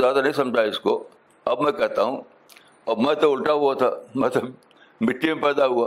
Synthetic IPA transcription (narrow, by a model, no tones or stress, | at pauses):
zjaːd̪anɐɦĩsɐ̃md͡ʒʱaɪsko | ɐbmɛ̃kɛɦt̪aɦũː | ɐbmɛ̃t̪oʊlʈaɦuat̪ʰamɐt̪ləb | mɪʈːimẽpɛːd̪aɦuaː